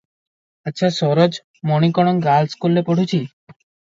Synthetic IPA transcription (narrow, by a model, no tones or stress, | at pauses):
ətːɕʰasɔɾod͡ʒ | mɔñikɔɽ̃ɔŋɡalskulːepoʈʰut͡ʃʰi